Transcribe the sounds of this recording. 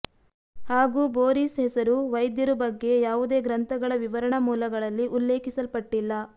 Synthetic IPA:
haːɡuːboːɾiːsɦɛsɐɾuʋɐjd̪jɐɾubɐɡːe̞jaːʋud̪e̞ːɡɾɐnt̪ʰɐɡɐɭɐʋiʋɐɾɐɳɐmuːlɐɡɐɭɐlːiʔulːe̞ːkisɐlpɐʈːilːɐ

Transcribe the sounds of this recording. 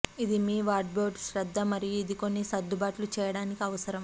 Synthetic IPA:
id̪imiːʋaːɾʈ̚boːɖʃɾɐd̪ːɐmɐɾijid̪iko̞nːisɐd̪ːubaːʈlut͡ʃɛːjɐɽaːnikiɐʋɐsɐɾɐm

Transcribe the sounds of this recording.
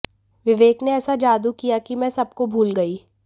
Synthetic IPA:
ʋɪʋeːkneɛːsad͡ʒaːd̪ukijakimɛ̃sɐb̚kobʱuːlɡɐiː

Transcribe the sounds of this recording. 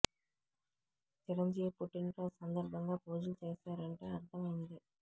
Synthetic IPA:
t͡ʃɪɾɐɲd͡ʒijɐpuʈːɪnɾɐːsɐnd̪ɐɾbʱɐŋɡaːpoːd͡ʒɐlt͡ʃeːsaːɾɐɳʈeɐɾd̪ʱɐmɐjɐnɐd̪ɯ

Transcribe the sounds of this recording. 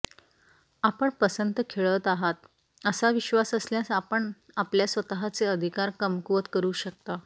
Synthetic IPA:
apəɳpəsənt̪əkʰeɭət̪aɦat̪̚ | əsaʋiɕʋasəsljasapəɳ | apljasʋət̪əɦat͡seəd̪ʱikaɾkəmkʋət̪kəɾuːɕək̚t̪a

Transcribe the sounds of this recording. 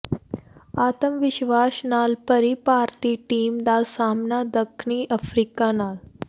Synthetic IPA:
at̪əmʋiɕʋasnalpəɾipaɾt̪iʈiːmd̪asamnad̪əkʰɳiːʔəfɾikanal

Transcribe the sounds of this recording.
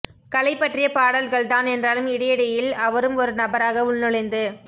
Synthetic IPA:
kɐlɐɪpːɐʈrɪjɐpaːɽɐlɣɐɭt̪aːnɛndraːlɯmɪɽɐjɪɽɐjɪlɐʋɐɾɯmɔɾɯnɐbɐɾaːɣɐʊɭːɯɭɐɪnd̪ɯ

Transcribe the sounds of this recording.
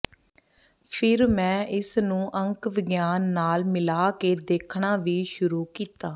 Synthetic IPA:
pʰɪɾmɛ̃ːʔɪsnũːʔəŋkʋɪɡjaːnːaːlmɪlaːkeːd̪eːkʰɳaːʋiːʃʊɾuːkiːt̪aː

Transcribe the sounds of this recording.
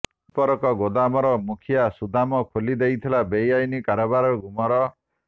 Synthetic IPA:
pɔɾɔkɔɡod̪amɔɾɔmukʰijasud̪ʱamɔkʰolid̪ejt̪ʰilabejajnikaɾɔbaɾɔɡʱumɔɾɔ

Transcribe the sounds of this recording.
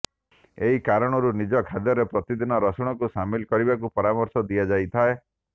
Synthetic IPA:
eɦikaɾɔɽ̃ɔɾunid͡ʒɔkʰad̪jɔɾepɾɔt̪id̪inɔɾɔsɔɽ̃ɔkusamilɔkɔɾibakupɔɾamɔɾsɔd̪iad͡ʒajt̪ʰae

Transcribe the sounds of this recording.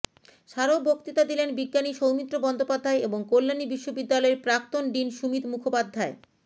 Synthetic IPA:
ʃaɾobʱokt̪it̪ad̪ilenbiɡːaniʃowmit̪ːɾobɔnd̪opad̪ʱːaeeboŋkolːanibiʃːobid̪ːalɔeɾpɾak̚t̪onɖinʃumit̪mukʰopad̪ʱːae

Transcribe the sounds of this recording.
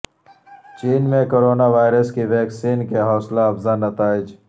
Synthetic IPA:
t͡ʃiːnmẽkoːɾoːnaʋaːjɪɾəskiʋɛːksiːnkeɦɔːslaɐfzanɐt̪aːɪd͡ʒ

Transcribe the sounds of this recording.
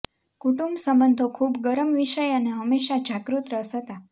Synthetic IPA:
kuʈumbsəmənd̪ʱokʰubɡəɾəmʋiʃəjəneɦəmːeʃad͡ʒʱakɾut̪ɾəsət̪a

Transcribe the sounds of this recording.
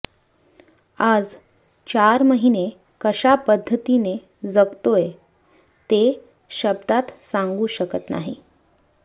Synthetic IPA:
ad͡z | t͡ɕaɾməɦine | kəɕapəd̪ʱːət̪ine | d͡zəɡt̪oje | t̪e | ɕəbd̪at̪saŋɡuːɕəkət̪na̰ɦi

